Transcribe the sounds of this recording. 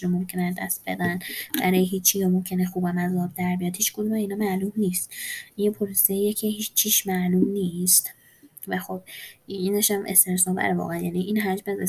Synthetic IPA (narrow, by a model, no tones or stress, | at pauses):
ɾomo̞mcʰeneæzd̪æst̪̚be̞̰d̪ænbæɾɒːjeɦiːt͡ʃʰːijɒmomcʲʰe̞nexuːbæmæzɒːb̚d̪æɾbijɒd̪hiːt͡ʃʰɡod̪umæiːnɒːmælumniːst̪ʔinjepʰolosejecʰehit͡ʃʰːiʃmæʔluːmniːst̪ | væxo̞b̥ineʃæmʔḛst̪eɾsɒːbæ̰ɾevɒ̰ːɣæænjæːniʔinɦæd͡ʒmæze